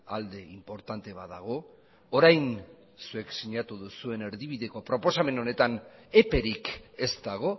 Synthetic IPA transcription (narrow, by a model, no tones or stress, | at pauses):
ald̪e̞impo̞ɾt̪ant̪e̞βaðaɣ̞o̞ː | ɾajn | sue̞ksiɲat̪uðusue̞ne̞ɾðiβ̞iðe̞ko̞pɾo̞po̞same̞no̞ne̞t̪ane̞pe̞ɾike̞st̪aɣ̞o̞